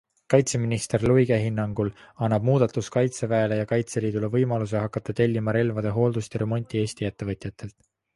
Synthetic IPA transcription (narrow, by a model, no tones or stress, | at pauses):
kɑjt̪se̞minist̪e̞rlujɡ̥e̞ɦinːɑŋɡ̥ulɑnːɑb̥̚muːd̪̥ɑt̪ːˑuskɑjt̪se̞væelejɑkɑjt̪se̞liːd̪ule̞vɤjmɑlus̬eɦɑkːˑɑt̪ːˑɑt̪e̞lʲːimɑɾe̞lvɑd̪e̞ɦo̞ːld̪̥ust̪eɾe̞mo̞nʲt̪ʲˑie̞ːst̪ie̞t̪ːe̞vɤt̪ʲjɑt̪ːˑe̞lt̪ˑ